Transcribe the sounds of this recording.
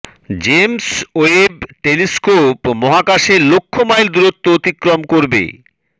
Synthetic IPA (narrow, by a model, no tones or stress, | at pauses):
d͡ʑemsoeb̚ʈeliskopmɔɦakaʃelokʰːomajld̪uɾot̪ːoot̪ikɾomkoɾbḛ